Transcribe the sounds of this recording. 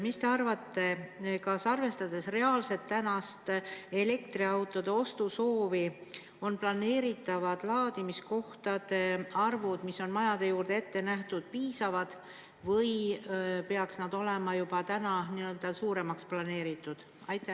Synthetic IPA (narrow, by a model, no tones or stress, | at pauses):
mist̪e̞ɑrvɑt̪ːe̞kɑsɑrve̞st̪ɑd̪̥e̞sre̞ɑːlse̞t̪ːænɑst̪e̞le̞kt̪riɑwt̪ːˑo̞d̪̥e̞o̞st̪uso̞ːvi | o̞nplɑne̞ːɾit̪ːˑɑvɑd̪̥lɑːd̪̥imisko̞ht̪ɑd̪e̞ɑrvud̪̥misːo̞nmɑjɑd̪̥e̞juːrd̪̥ee̞t̪ːe̞næht̪ud̪̥̚piːsɑvɑd̪̥ | vɤj | pe̞ɑksnɑd̪̥o̞lemɑjub̥ɑt̪ænɑniø̞ld̪̥ɑsuːɾe̞mɑksplɑne̞ːɾit̪ːˑud̪̥ | ɑjt̪ːˑe